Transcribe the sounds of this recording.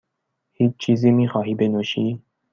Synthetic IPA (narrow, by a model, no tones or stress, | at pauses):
hiːt͡ʃt͡ʃʰiːzimiːxɑːɦiːbenoʃiː